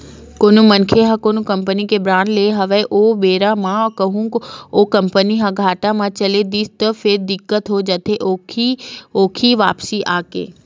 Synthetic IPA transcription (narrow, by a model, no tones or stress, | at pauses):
koːnumɐnkʰeɦakoːnukɐ̃mpənikebɾaːnleːɦɐʋəʔobeːɾamãkɐɦũkoːkɐ̃mpəniɦãɡʱaːʈamãt͡ɕɐled̪iːst̪əfʰɪɾd̪ɪkːət̪ɦod͡ʒɐt̪ʰeʔoioːkʰiʋa̰ːpsiʔaːkḛː